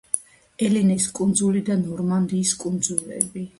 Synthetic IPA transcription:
ɛlinɛskʼund̪zulid̪anɔɾmand̪iːskʼund̪zulɛ̰bi

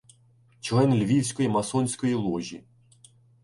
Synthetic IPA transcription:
t͡ʃlˠɛnlʲʋʲiwsʲkɔjimɐsɔnʲsʲkɔjilˠɔʒʲḭ

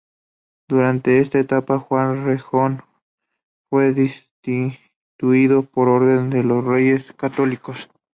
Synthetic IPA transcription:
d̪uɾant̪eest̪aet̪apaxwanrexon | fweðist̪i | t̪uiðopoɾoɾðend̪elosrejeskat̪olikos

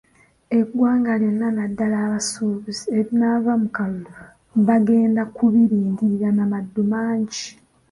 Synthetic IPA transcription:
eɡwaːŋɡalenːanadːalaːβasuːβizieɾinaːvamukallu | βaɡe̞ːndakuβiɾiːndiɾanamadːumaːɲɟi

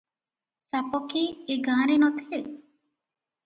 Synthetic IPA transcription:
sapɔkiːɡãːɾenɔt̪ʰie

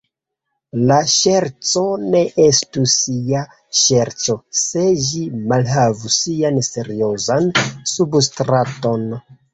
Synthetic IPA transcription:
laʃeɾt͡so̞ne̞ʔe̞stusia | ʃe̞ɾt͡ʃo̞se̞ʒimalɦavusianse̞ɾio̞zansubstɾato̞n

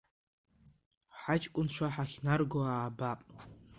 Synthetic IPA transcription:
ħat͡ʃʼkʷʼʊnʃʷaħaχʲnarɡoaːbapʼ

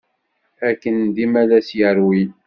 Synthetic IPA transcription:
ækənd̪imælæsjəɾwi

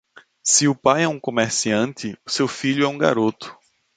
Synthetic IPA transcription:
sɪʊpajɛũkõmeɾsiɐ̃nt̪ɪʊsewfiʎʊɛũɡa̰ɾot̪ʊ̥

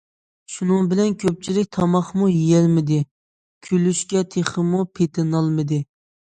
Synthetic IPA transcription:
ʃunɨŋbɪlɛnkʲʰøp̚t͡ʃʰilɪk̚ʲt̪ʰɑmɑχmujijɛlmɪd̪ɪ | kʲʰylyʃkʲɛt̪ʰeχəmupʰet̪ʰɪnɑlˠmɨd̪ɪ

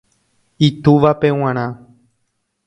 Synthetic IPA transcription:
it̪uʋapew̃ãɾ̃ã

